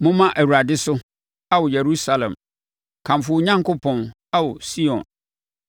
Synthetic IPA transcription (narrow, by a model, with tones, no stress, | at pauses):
mʊ̃˦mã˦ʔæ˨wu˨ɾa˨dɪ˦sʊ˦ | a˦wɔ˨jɛ˨ɾu˦sa˦lɛ̰̃˨m | kʰã˨mfʊ˦ɲã˦ŋkʊ˦pʰɔ̃˨n | a˦wɔ˨si˦ɔ̰̃˨n